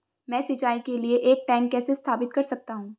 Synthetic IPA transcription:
mɛ̃ːsɪt͡ʃaːikelieʔeːk̚ʈɛ̃ːŋkːɛːsest̪ʰaːpɪt̪̚kɐɾsɐk̚t̪aɦũː

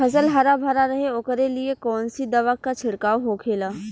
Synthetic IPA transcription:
ɐs̬əlɦaːɾabʱaːɾaɾɐɦeoːkəɾeliekɔːnsid̪ɐʋakat͡ʃʰɪɽkaːoɦokʰeːlaː

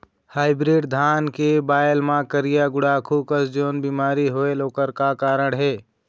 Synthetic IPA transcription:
haːɪbɾiɖd̪ʱaːnkebaːjlmãkəɾijaɡʊɽakʰukəsd͡ʒoːnbiːmaːɾiɦoeloːkəɾkakaːɾəɽɦeː

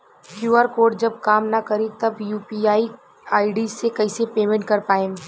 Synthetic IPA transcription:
kjuːaːɾkoːɾɖd͡ʒɐb̚kaːmnakɐɾit̪ɐbjuːpiaːi | aːiɖizsːekɐɪsepeːmɛ̃ɳʈ̚kɐɾpaːẽː

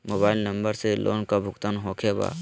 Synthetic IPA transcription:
moːbaːɪlnəmbəɾselʔo̰ːnkabʱʊkt̪aːnɦoːkʰeba̰ː

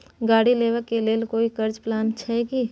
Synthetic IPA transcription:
ɡaːɽileːʋəkːeleːlkoːikɐɾd͡ʒplaːnt͡ʃʰaeɡi

